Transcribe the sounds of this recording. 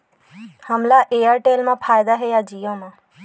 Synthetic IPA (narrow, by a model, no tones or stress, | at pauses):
həmlaʔeːjəɾʈeːlmãpʰaːjd̪aɦejad͡ʒijõmãː